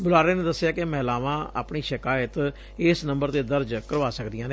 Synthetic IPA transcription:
bʊlaːɾeːneːd̪əsːjaːkemɛːlaːʋãːa̰ːpɳiːʃɪkaːjət̪ | ɪsnəmbəɾt̪eːd̪əɾd͡ʒkəɾʋaːsəkd̪ɪjãːneː

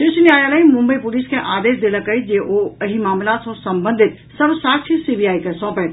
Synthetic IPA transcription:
ʃɪʃnijaːjaːləimʊ̃mbəipʊliskẽʔaːd̪eːsd̪eləkəid͡ʒeʔoəɦimaːmlat̪sõsɐ̃mbə̃nd̪ʱɪt̪ | sɐbsaːkt͡ʃʰisibʱijaːikɐsɔ̃ːpɛ̃

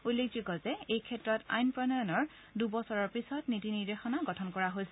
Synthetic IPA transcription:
ulːek̚zikɔzɛejkʰɛtɹɔta̰jnpɹɔnɔjɔnɔɹ | dubɔsɔɹɔɹpisɔtnitiniɹdexɔnaɡɔtʰɔnkɔɹaɦojsɛ

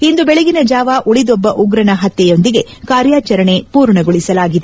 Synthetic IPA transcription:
ind̪ubɛɭeɡinɐd͡ʒaːʋaʔuɭid̪ɔbːɐʔuɡɾɐnɐɦɐt̪ːɛjo̞nd̪iɡe̞kaːɾjaːt͡ʃɐɾɐɳe̞puːɾɳɐɡoɭisɐlaːɡid̪e

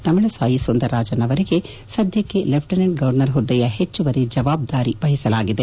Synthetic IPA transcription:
t̪ɐmiɭɐsaːjisond̪ɐɾːaːd͡ʒɐnɐʋɐɾiɡe̞ | sɐd̪ʱjɐkːelepʰʈɐnɐɳɖ̚ɡɐʋɐɾnɐɾɦod̪ːɐjɐɦet͡ʃːuʋɐɾed͡ʒɐʋaːb̚d̪aːɾiʋɐɦisɐlaːɡid̪e

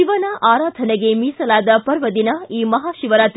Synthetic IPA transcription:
iʋɐnɐʔaːɾaːd̪ʱɐnɐɡe̞miːsɐlaːd̪ɐpɐɾʋɐd̪inɐiːmɐɦaːʃiʋɐɾat̪

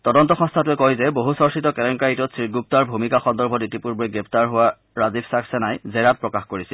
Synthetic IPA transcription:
tɔdɔntɔxɔ̃stʰatuɛkɔjzɛboɦusɔɹsitɔkɛlɔŋkaitɔtsɹiɡup̚taɹbʱumikaxɔndɔɹbʱɔditipuɹbuɹɛɡɹɛptaɹɦʊwa | ɹazibʰsaksɛnajzɛɹat̚pɹɔkaxkoɹisil

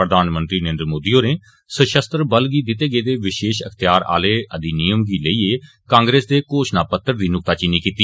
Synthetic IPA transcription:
ɾəd̪aːnmə̃nt̪ɾiːnəeːnd̪ɾmoːd̪iːjoːneː | səʃəst̪ɾəbəlɡiːd̪ɪt̪eːɡeːd̪eːʋɪʃeːʃəkʰt̪ɪjaːɾa̰ːleːʔəd̪iːnijəmɡiːləiːeː | kãːŋɡɾeːsd̪eːkoːʃnaːpət̪ːəɾd̪iːnʊk̚t̪aːt͡ʃɪnːiːkiːt̪iː

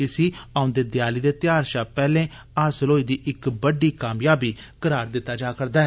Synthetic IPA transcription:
ɪsiːaːʊnd̪eːd̪jaːliːd̪eːt̪ɪjaːɾʃaːpɛːlẽː | aːsəloːiːd̪iːʔɪkbəɖiːkaːmjaːbiːkəɾaːɾd̪ɪt̪ːaːd͡ʒaːkəɾd̪aːɦɛ

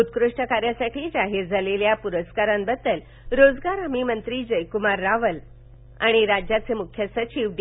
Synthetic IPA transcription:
ut̪̚kɾuʂʈəkaɾjasaʈiːd͡zaɦiɾd͡zʱaleljapuɾəskaɾambəd̪əl | ɾod͡zɡaɾəmimənt̪ɾiːd͡ʑəjkumaɾːaʋəl | a̰ɽ̃iɾad͡ʑjat͡semukʰjəsət͡ɕiʋd

